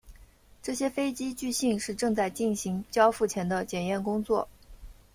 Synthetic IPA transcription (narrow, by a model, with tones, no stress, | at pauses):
ʈ͡ʂɤ˥˩ɕjɛ˥fe˥ɪt͡ɕi˥t͡ɕy˥˧ɕi˥˧ŋʂɻ̩˥˧ʈ͡ʂɤ˥˧ŋt͡sa˥˧ɪt͡ɕi˥˩nɕi˧˥ŋt͡ɕjɑ˥ʊfu˥˩t͡ɕʰjɛ˧˥nd̪ə˧t͡ɕjɛ˨˩njɛ˥˩nkʊ˥ŋt͡swɔ̰˥˩